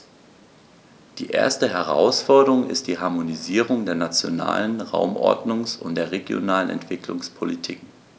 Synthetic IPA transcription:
d̥iːʔeːɐstəɦɛʁ̞a̰ʊsfɔɐdəʁʊŋɪ̰st̚d̥iːɦaɐmoniziːʁ̞ʊŋdeːɐnat͡sjo̰na̰ːlənʁa̰ʊmʔɔ̰ɐdnʊŋsʊ̰ntd̥eːɐʁeɡjo̰naːlənɛ̰ntv̥ɪklʊŋspʰolitʰḭːk

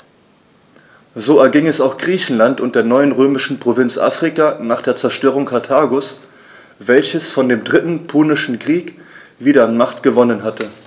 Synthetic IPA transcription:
zoːɛɐɡɪŋɛsaʊxɡ̥ʁiːçn̩lantʊnt̚d̥eːɐnɔʏənʁøːmɪʃn̩pʁ̥ovɪnt͡sʔa̰ːfʁ̥ikanaːχd̥eːɐt͡sɛɐʃtøːʁ̞ʊŋkʰaɐtʰaːɡʊs | v̥ɛlçəsfɔndeːmdʁɪtn̩pʰuːnɪʃn̩kʁ̥iːkviːɾɐanmaχtɡ̥əvɔnənɦatə

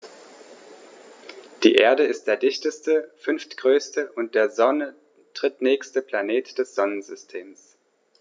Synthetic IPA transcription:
d̥ḭːʔḛːɐdəɪst̚d̥eːɐdɪçtəstəfʏnftɡ̥ʁøːstəʔʊnt̚d̥eːɐzɔnə | tʁ̥ɪtnɛːçstəpl̥aneːtd̥ɛsz̥ɔnənzʏstʰeːms

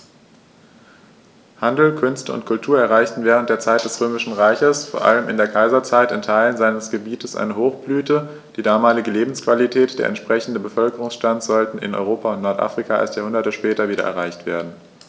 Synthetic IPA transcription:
handl̩kʰʏnstəʊ̰ntkʰʊltʰuːɐɛɐʁ̞aɪçtn̩vɛːʁ̞əntd̥eːɐt͡saɪtd̥ɛsʁøːmɪʃn̩ʁaɪçəsfoːɐʔa̰ləmɪndeːɐkʰaɪzɐt͡saɪtɪntʰaɪlənzaɪnəsɡ̥əbiːtəsʔa̰ɪnəɦoːxb̥lyːtə | d̥iːdaːmaːlɪɡəleːbm̩skv̥alitʰɛːtd̥eːɐʔɛ̰ntʃpʁ̥ɛçn̩dəbəfœlkəʁʊŋsʃtant͡sz̥ɔltn̩ɪ̰nʔɔ̰ʏʁoːpaʊntnɔɐtʔa̰fʁ̥ikʰaa̰lstjaːhʊndɐtəʃpɛːtɐviːɾɐ̰ʔɛ̰ɐʁaɪçtv̥ḛːɐdn̩

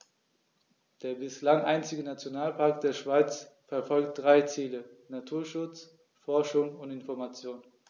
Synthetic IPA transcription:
d̥eːɐbɪslaŋʔaɪnt͡sɪɡənat͡sjonaːlpʰaɐk̚d̥eːɐʃv̥aɪt͡sfɛɐfɔlkt̚d̥ʁaɪt͡siːlənatʰuːɐʃʊt͡s | fɔɐʃʊŋʊntɪnfɔɐmat͡sjoːn

